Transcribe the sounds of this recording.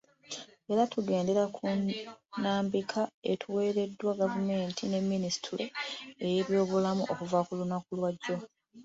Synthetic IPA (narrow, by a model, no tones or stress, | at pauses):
e̞ɾatuɡe̞ːnde̞ɾakʰunaːmbikʰae̞tʰuwe̞ːɾe̞dːwaɡavume̞ːntʰine̞mːinisi̥tuɾoe̞je̞βjo̞ːβulamuʔo̞kuvakulunakulwaɟːo̞